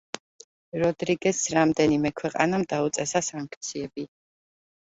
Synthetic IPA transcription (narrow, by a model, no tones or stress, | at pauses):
ɾɔd̪ɾiɡɛsɾamd̪ɛnimɛkʰwɛqʼa̰namd̪aut̪sʼɛsasaŋkʰt̪sʰiɛbi